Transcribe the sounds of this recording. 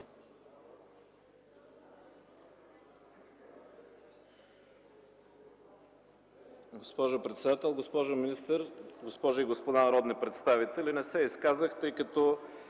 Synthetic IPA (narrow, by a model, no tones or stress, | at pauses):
ɡospɔʒʊpɾɛt̪sɛd̪at̪ɛlˠɡospɔʒʊminist̪əɾɡospɔʒʊiɡospod̪anɐɾɔd̪nipɾɛt̪st̪avit̪ɛlinɛsɛiskazəxt̪ɤjkɐt̪ɔ